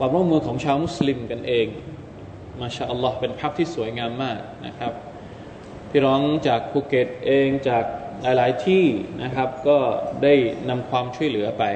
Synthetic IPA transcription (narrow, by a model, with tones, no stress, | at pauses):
kʰwaː˧mɾu˥˩˨mːɯː˧kʰɔː˩˦ŋt͡ɕʰaː˧wmu˦˥sli˧mka˧nʔeː˧ŋ | maː˥˩ɕaː˧˩ʔa˧lːɔː˦˥hpe˧npʰa˦˥k̚t̪ʰiː˥˩su˨˩˦jŋaː˧mːaː˥˩k̚na̰˦˥kʰa˦˥p̚ | pʰiː˥˩ɾɔː˦˥ŋt͡ɕaː˨˩k̚pʰuː˧ke˨˩t̪̚ʔeː˧ŋt͡ɕaː˨˩k̚laː˨˦jlaː˩˦jt̪ʰiː˥˩nʔa˦˥kʰa˦˥p̚kɔː˥˩daː˥˩jna˧mkʰwaː˧mt͡ɕʰu˥˩əjlɯ˩˦ɐpa˧j